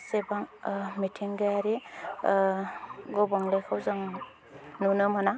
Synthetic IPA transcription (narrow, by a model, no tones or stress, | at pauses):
sebaŋmitʰiŋɡajaɾi | ɡɔbɔŋlekʰɯwzaŋ | nunɯmana